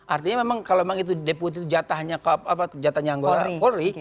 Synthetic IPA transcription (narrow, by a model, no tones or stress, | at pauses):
ʔart̪iɲamemaŋkalomemaŋit̪̬udeput̪̬it̪ud͡ʒat̪ahɲakapad͡ʒat̪ahɲaːŋɡoɾakoɾi